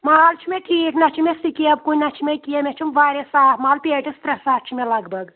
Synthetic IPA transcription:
maːlt͡ʃʰimeʈʰiːʈnɐt͡ʃʰimʲesikiɐb̚kunʲnɐt͡ʃʰimʲekijemʲet͡ʃʰimʋaːɾʲesaːtmaːlpʲeːʈist̪ɾɐsaːt̪t͡ʃʰimʲelɐɡbɐɡ

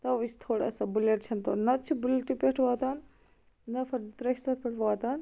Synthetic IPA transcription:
t̪ɐʋit͡ʃʰt̪ʰoːɽa̰ːsabuleʈ̚t͡ʃʰɐnt̪onɐt͡ʃʰibuleʈːipʲeʈʰʋaːt̪aːn | nɐfʰɐɾzit̪ɾɐʃt̪ɐt̪̚ʰpʲeʈʰʋaːt̪aːn

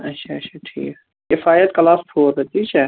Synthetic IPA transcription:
ɐtːʃʰaɐtːt͡ʃʰaʈʰḭːk | kɪfaːjət̪kɐlaːspʰoːd̪et̪ʰiːt͡ʃʰɛ

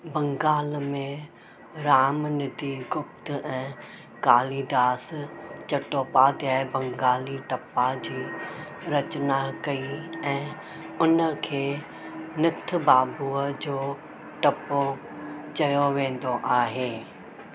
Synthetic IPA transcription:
bɐ̃ŋɡaːlmẽ | ɾaːmnɪd̪iɡʊpt̪ɛ̃ː | kaːlid̪aːst͡ɕɐʈopaːd̪aːɪbɐ̃ŋɡaːliʈɐpad͡ʑiː | ɾɐt͡ɕnakɐiɛ̃ː | ʊnə̆kʰeː | nɪt̪ʰbaːbuːəd͡ʑoː | ʈɐpo | t͡ɕɐjoʋẽːn̆d̪oʔaːɦeː

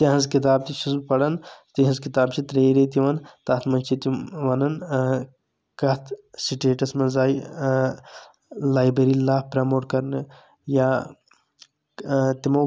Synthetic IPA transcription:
t̪ɐɦɐnzkit̪̬aːb̚t̪iʃuspɐɽɐnt̪iɦɐnzkit̪aːbt͡ʃʰit̪ɾeːɾet̪iʋɐnt̪ɐt̪ʰmɐnt͡ʃʰit̪iʋɐnɐn | kɐt̪ʰsiʈeːʈɐsmɐzaːj | laːjbeɾilaːpɾɐmoːʈkɐɾnɨ | jaː | t̪imɐ

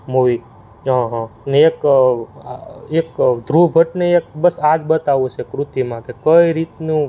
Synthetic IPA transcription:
moʋi | ɦãɦneek | ekd̪ʱɾubʱəʈneek̚bəsad͡ʒbət̪aʋot͡ʃʰekɾut̪imãkekəjɾit̪nũ

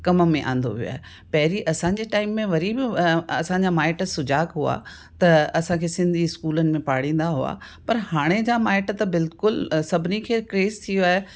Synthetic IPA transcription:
kɐməmẽʔã̰ːn̆d̪o̰ʋijo̰a̰ːɦe | pɐɦɪɾiʔɐsãɲd͡ʑeːʈaːɪmːẽʋɐɾibɪɐsãɲd͡ʑamaːɪʈsʊd͡ʑaːkɦʊa̰ | t̪ɐɐsãkʰeːsɪ̃nd̪ʱiɪskuːlənɪ̆mẽpaːɽĩːn̆d̪aɦʊa̰ | pɐɾɦaːɽ̃ed͡ʑamaːɪʈt̪ɐbɪlkʊlsɐbʱɪnikʰeːkɾeːst̪ʰijoaːɦe

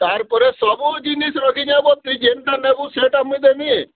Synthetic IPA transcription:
t̪aɾpɔɾesɔbud͡ʒinisɾɔkiɲabɔt̪ːid͡ʒemʈ̪anebuseʈamːid̪emie

